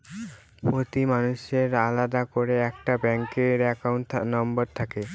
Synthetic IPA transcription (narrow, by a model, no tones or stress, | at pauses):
pot̪imanuʃeɾalad̪akoɾeɛkʈabɛŋkeɾɛkauɳʈnɔmboɾt̪ʰake